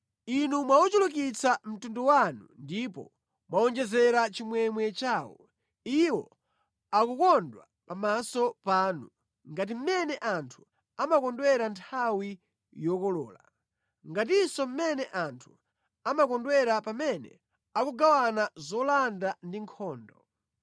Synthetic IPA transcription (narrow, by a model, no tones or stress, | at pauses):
inumwaut͡ʃuluk̬it͡sam̩tunduwanundipɔ̰ | mwaɔnd͡ʒɛzɛɾat͡ʃimwɛmwɛt͡ʃaːwɔ̰ | iwɔ̰ | akukɔndwa̰ | pamasɔpaːnu | ŋɡat̬im̩mɛnɛʔantʰu | amakɔndwɛɾantʰawi | jɔkɔlɔ̰ːla̰ | ŋɡat̬isɔm̩mɛnɛʔantʰu̥ | amakɔndwɛɾapamɛnɛ̰ | akuɡawanazɔlandandiŋkʰɔːndɔ